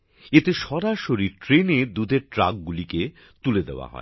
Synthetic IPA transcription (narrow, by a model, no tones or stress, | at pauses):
et̪eʃɔɾaʃoɾiʈɾened̪ud̪ʱeɾʈɾa̰k̚ɡulike | t̪uled̪ḛoa̰ɦɔ̰e